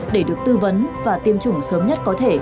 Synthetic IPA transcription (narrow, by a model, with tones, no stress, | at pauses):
ɗe˧˩ɗɨ˨˩ək̚t̪ɨ˧və˨˦nvaː˨˩t̪i˧əmt͡ɕʊ˨˧˩ŋ͡msəː˨˦mɲə˦˥t̚kɔ˨˦t̪ʰe˧˩